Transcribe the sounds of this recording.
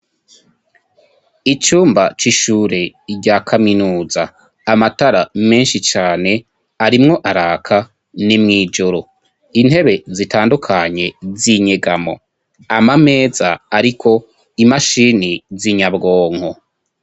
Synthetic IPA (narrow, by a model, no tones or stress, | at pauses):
it͡ʃuːmbat͡ʃiʃuːɾe | ɟaːkʰaminuːzaː | mataɾame̞ːnʃit͡ʃaːne̞ | aɾimŋo̞ʔaɾaːkʰa | nimŋiːd͡ʒoɾo | inhe̞βe̞zitaːndukʰaɲe̞ziɲeɡamo̞̰ | amame̞ːzaaɾikʰo̞ | imaʃiːniziɲabɡo̞ːŋ̥ho